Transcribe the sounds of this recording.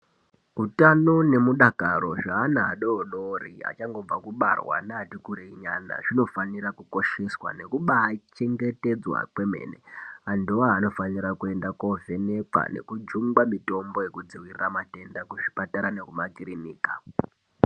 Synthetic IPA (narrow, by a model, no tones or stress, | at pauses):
utano̞ne̞muɗakaɾo̞ʐaːnaːɗoonorḭa̰t͡ʃaŋɡo̞b͡vakuɓa̰rwa̰naːtikuɾeiɲana̰ʐino̞faniɾakuko̞ʃe̞swa̰ne̞kuɓaːt͡ʃe̞ŋɡe̞te̞d͡zwa̰kwe̞me̞̰ːnḛandioano̞faniɾakue̞ndakove̞ne̞kwa̰ne̞̰kud͡ʒuŋɡwamito̞mbo̞je̞kud͡ziwiriramate̞ndakuʐi̥pataɾanekumakiriniːka